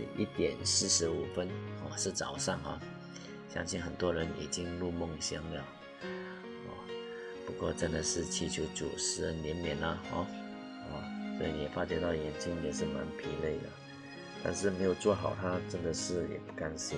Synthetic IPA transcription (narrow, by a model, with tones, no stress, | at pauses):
ḭ˥˩t̪jɛ˨˩nsɹ̩˥˩ʂɻ̩˧˥u˨˩fə˥nɔ̰˥˧˩ʂɻ̩˥˩t͡sɑ˨˩ʊʂɑ˥˩ŋa̰˨˩ | ɕjɑ̰˥ŋɕi˥˩nxə˨˩nt̪wɔ˥ɻə˧˦˥nḭ˨˩t͡ɕi˥ŋlu˥˧mo˥˩ŋɕjɑ˥ŋlə˨˩ | ɔ̰˥˩ | pu˧˥kwɔ˥˧ʈ͡ʂə˥nd̪ə˨ʂɻ̩˥˩t͡ɕʰi˧˥t͡ɕʰju˧˥ʊt͡sṵ˨˩ʂɻ̩˧˥ə˥˩njɛ˧˥nnjɛ˧˥nlə˧xɔ̰˥˩ | ɔ̰˥˩swɔ˧˥ḭ˨˩ni˨jɛ˨˩fa˥ɕjɛ˥˧t̪ɑ˥˩jɛ˨˥nt͡ɕi˥ŋjɛ˨˩ʂɻ̩˥˩ma̰˧˥npʰi˧˥le˥˩ɪd̪ə̰˩ | t̪a̰˥˧nʂ̬ɻ̩˥˩me˧˥ɪjo˨˩ʊt͡swɔ˥˩xɑ˨˩ʊt̪ʰa˥ʈ͡ʂə˥nd̪ə˨ʂɻ̩˥˩jɛ̰˨˩pu˥˩ka˥˧nʂɻ̩˥˩